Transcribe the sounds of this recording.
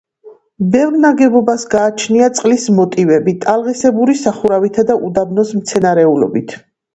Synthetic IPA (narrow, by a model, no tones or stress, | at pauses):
bɛvɾnaɡɛbɔbasɡaːt͡ʃʰniat̪sʼqʼlismɔt̪ʼivɛbit̪ʼalˠʁisɛbuɾisaχuɾavit̪ʰad̪aʔud̪abnɔsmt̪sʰɛnaɾɛulɔ̰bit̪ʰ